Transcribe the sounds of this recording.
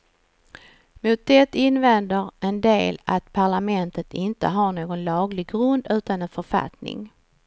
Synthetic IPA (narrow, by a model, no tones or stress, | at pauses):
mʊt̪̚d̪ɛt̪ɪnːvɛnd̪əɾʔɛnd̪eːla̰t̪pʰaɭamɛnt̪ət̪ɪnt̪ə̰ɦaɳoːɡɔnlɑːɡlɪɡɾɵnd̪ʉ̟ːt̪anɛnfœɾfa̰t̪nɪ̰ŋ